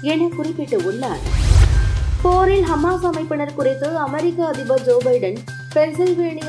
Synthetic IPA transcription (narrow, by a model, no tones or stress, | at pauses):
ɛnɐkʊrɪpːɪʈːɯʊnːa̰ːl | poːɾɪlɦɐmːaːsɐmɐɪpːɪɳɐɾkʊrɐɪt̪ːoːɭɐmɐɾɪkːɐɐðɪbɐd͡ʒoːbɐɪɖɐn | pɛɾsɪlʋeːɳɪj